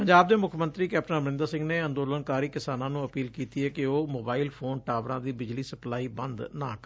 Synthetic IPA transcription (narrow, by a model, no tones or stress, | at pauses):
pəɲd͡ʒaːb̚d̪eːmʊkʰmə̃nt̪ɾiːkɛːp̚ʈənəmnɪ̃nd̪əɾsɪ̃ŋɡneːə̃nd̪oːlənkaːɾiːkɪsaːnãːnũːəpiːlkiːt̪iːɛːkɪoːmoːbaːiːlpʰoːnʈaːʋɾãːd̪iːbɪd͡ʒliːsəplaːiːbənd̪nãːk